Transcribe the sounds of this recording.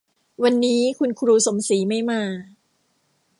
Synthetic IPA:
wa˧nːiː˦˥kʰu˧nkʰɾuː˧so˩˦msiː˩˦ma˥˩jmaː˧

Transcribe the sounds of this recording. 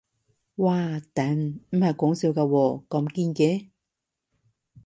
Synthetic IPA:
waː˧t̪ɐ˨˥nm̩˨˩hɐ˨jkɔː˨˥ŋsiː˨˧wkaː˧wɔː˧kɐ˨˧mkiː˧nkɛː˨˧˦

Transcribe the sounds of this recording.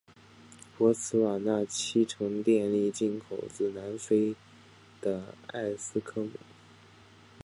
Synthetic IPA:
pwɔ˧˥t͡sʰɹ̩˧˥wa˨˩na˥˩t͡ɕʰi˥ʈ͡ʂʰɤ˧˥ŋt̪jɛ˥˧nli˥˧t͡ɕi˥˧˩nkʰo˨˩ʊt͡sɹ̩˥˩na˧˥nfe˥ɪ | d̪̥ə˧a̰˥˩ɪsɹ̩˥kʰɤ˥mṵ˨˩˦

